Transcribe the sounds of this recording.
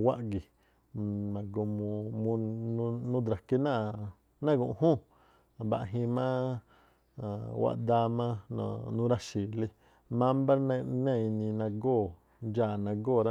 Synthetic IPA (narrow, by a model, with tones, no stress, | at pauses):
wa˦ʔɡi˨ | mã˨ɡo˧mũ˧mũ˧nũ˦d̪ɾa˨ke˧nã˦˨ | nã˦˨ɡũ˧ʔhũ˦˨ | ba̰˧ʔɦĩ˧mã˦ | a˨wa̰˦˧ʔd̪a˧mã˦ñ̰˧˨nũ˦ɾa˧ʃi˨le˧ | mã˦m˦bã˦˧nẽ˧˨˧nĩ˧nã˧ɡoː˦˨ | d͡ʒaː˧˨nã˧ɡoː˦˨ɾa˦